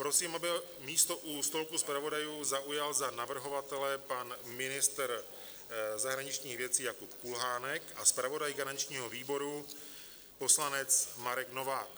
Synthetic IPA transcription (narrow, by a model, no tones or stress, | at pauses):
pɾo̞siːmabɪ | miːst̪o̞ʔust̪o̞lkuspɾavo̞dajuːzaʔujalzanavr̩ɦo̞vat̪ɛlɛpanmɪnɪst̪ɾ | zaɦɾaɲɪt͡ʃɲiːɣvjɛt͡siːjakupkulɦaːnɛkaspɾavo̞dajɡanaɲt͡ʃɲiːɦoviːbo̞ɾu | po̞slanɛt͡smaɾɛkno̞vaːk